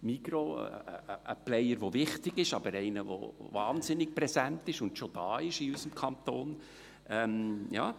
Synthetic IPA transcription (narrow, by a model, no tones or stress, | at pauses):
miɡɾo̰ | ʔə̰plɛɪjəɾʋovɪχtɪɡɪʃɑbəɾɛɪnəvo̰vɑːnzɪnɪk̚pɾɛzæntɪʃʊndʃod̥ɑːɪʃiysəmkʰɑnt̪oːn | ʔɛmjɑ̰ː